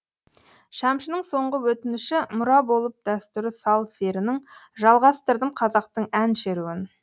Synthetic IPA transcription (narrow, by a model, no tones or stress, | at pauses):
ʃɑmʃənəɴso̞ɴʁəwɵt̪ɪnɪʃɪmʊɾɑbo̞lˠəp̚d̪̥æst̪ʏɾɪsɑlˠse̞ɾɪnɪŋʒɑlˠʁɑst̪əɾd̪əmqʰɑzɑqt̪əɴænʃeɾuwɪn